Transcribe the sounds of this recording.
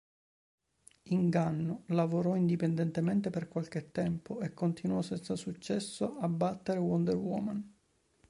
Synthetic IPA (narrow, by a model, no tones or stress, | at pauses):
iŋɡanːolavoɾɔind̪ipend̪ɛnt̪emɛnt̪eperkwalk̟et̪ːɛmpoekːont̪inuɔsɛnt̪sasut͡ʃːɛsːoabːat̪ːeɾewɔnd̪eɾwɔ̰man